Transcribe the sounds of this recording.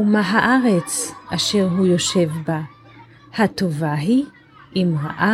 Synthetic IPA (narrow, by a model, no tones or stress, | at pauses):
umaɦaʔaʁet͡sʔaʃe̞ʁɦujo̞ʃe̞vba | hat̪o̞vaɦi | ʔimʁa̰ʔa